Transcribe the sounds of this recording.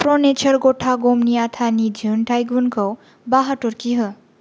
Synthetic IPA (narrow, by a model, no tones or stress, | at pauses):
pronet͡ʃʰʌɾɡoʈʰaɡomniat̪ʰanid͡ʒʱunʈʰajɡunkʰow | baɦaʈoɾkiɦʌ